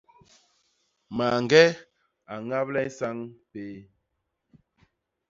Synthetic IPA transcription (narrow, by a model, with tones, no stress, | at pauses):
ma˨ŋ˨ɡɛ˦ | a˨ŋa˦plɛ˦sa˦ŋpeː˨˦